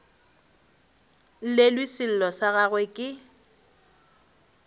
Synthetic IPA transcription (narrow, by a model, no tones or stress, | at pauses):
lelwisɪl̩lɔsaɣaɣwekʼɪ